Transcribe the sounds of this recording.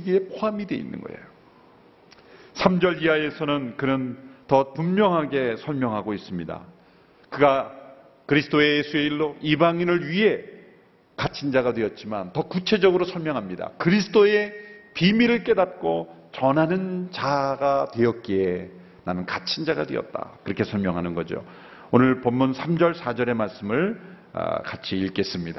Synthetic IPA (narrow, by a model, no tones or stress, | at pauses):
ɡie̞pʰoɦamidwe̞ḭnːɯ̰nɡʌ̰ḛjo | sʰamd͡ʑʌɭiae̞sʰʌnɯnkɯnɯntʌpumːjʌŋɦaɡe̞sʰʌɭmjʌŋɦaɡois͈ɯmɲida̰ | kɯɡa | kɯɾisʰt͈ʰoejesʰue̞iɭːoʔibaŋinɯɭɥiɦe̞ | kat͡ɕʰind͡ʑaɣadwe̞jʌt̚t͡ɕ͈ima̰ntʌkut͡ɕʰe̞d͡ʑʌɡɯɾosʰʌɭmjʌŋɦamɲida̰kɯɾis̬ʰɯ̥t͈oe̞pimiɾɯɭk͈e̞dat̚k͈o | t͡ɕʌnɦanɯnt͡ɕaɡatwe̞jʌt̚k͈ee | nanɯnkat͡ɕʰind͡ʑaɡadwḛʌ̰t̚t͈a̰kɯɾʌkʰe̞sʰʌɭmjʌŋɦanɯnɡʌd͡ʑio̰ | onɯɭpʌmːunsʰamd͡ʑʌɭsʰad͡ʑʌɾe̞maɭs͈ɯmɯɭ | ʌ̰kat͡ɕʰiiɭk͈e̞s͈ɯmɲida